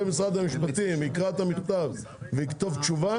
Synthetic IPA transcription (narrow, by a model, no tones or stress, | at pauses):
emisʁad̪hamiʃpat̪imikʁat̪amiχt̪av | veikt̪ovt͡ʃuva